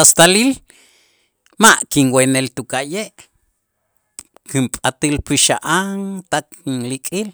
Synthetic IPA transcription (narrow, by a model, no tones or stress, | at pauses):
ast̪alil | maʔkinwenelt̪ukajeʔ | kimpʼat̪ilpiʃaʔaŋt̪aknlikʼil